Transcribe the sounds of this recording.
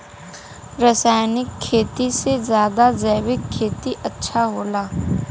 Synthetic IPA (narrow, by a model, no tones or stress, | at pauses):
ɾɐsaːjnɪkʰːeːt̪isezjaːd̪azɛːʋɪkʰːeːt̪iʔɐtːʃʰaɦoːlaː